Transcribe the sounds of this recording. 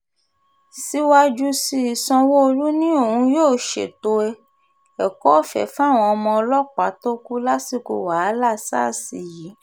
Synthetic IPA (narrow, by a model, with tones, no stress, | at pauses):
si˦wa˦d͡ʒu˦si˧i˨sɔ̃˧wo˦o˧lu˦nĩ˦o˦˨hũ˧joː˦˨ʃḛ˨to˧ɛ˧ | ɛ˨kɔ˦˨fɛ̰˨fa˦˨w̃ɔ̃˧ɔ˧mɔ̃˧ɔ˧lɔ˦k͡pa˨˦to˦ku˦la˦si˦˨ko̰˧wa˨˦la˦˨sa̰˦˨si˨ji˨˦